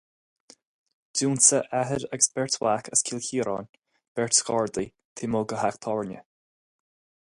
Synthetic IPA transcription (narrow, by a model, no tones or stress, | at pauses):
duːnsəʔaɦəɾəɡəsbɛɹtʰwakʰəskʰilkiːɾɑ̰ːn | b̥ɛɹtskɑːɹd̪i | t̪ʰɪmoːɡəɦakt̪ʰɔɹnə̰